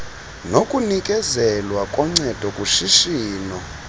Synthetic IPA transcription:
nokʼunikʼɛzɛlwakʼɔŋ͡ǀɛd̥ʱɔkʼuʃiʃiːnɔ

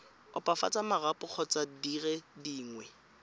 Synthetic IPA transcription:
ʊpʼafa̰t͡sʼamarapʼʊk͡xʰɔt͡sʼadirɛdiːŋwɛ

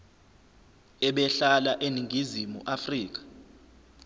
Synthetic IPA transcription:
ɛɓɛɬalaʔeniŋʱizimṵʔafriːk̬ḁ

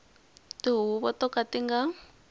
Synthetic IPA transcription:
tiɦuuβɔtɔkatiŋɡa

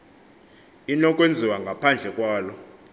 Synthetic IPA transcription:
inɔkʼwend͡zʱiwaŋɡʱapʰand͡ɮʱɛkʼwaːlɔ

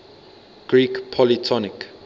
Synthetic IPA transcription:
ɡ̥ɹiːkpʰɔlitʰɔnɪk

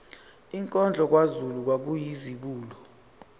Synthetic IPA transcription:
iŋkʼɔnd͡ɮʱɔk̬wazuluk̬wak̬ujiziɓuːlɔ

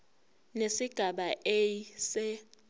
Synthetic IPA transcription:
nesiɡ̥ʱaɓaʔejsɛ

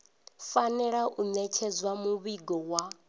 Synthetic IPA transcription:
fanɛɺaʔunɛt͡ʃʰɛzwamuβiɡɔwa

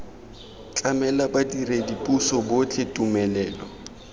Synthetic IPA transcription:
t͡ɬʼamɛlabadiredipʼusɔbot͡ɬʰʼetʼumɛlɛːlɔ

